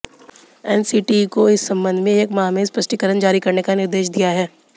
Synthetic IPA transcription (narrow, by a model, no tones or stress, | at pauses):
ɛːnsiːʈikoɪsːɐ̃mbə̃nd̪ʱmẽeːkmaːmeːzpɐʃʈikəɾənd͡ʒaːɾikɐɾnekanɪɾd̪eːʃd̪ijaɦɛː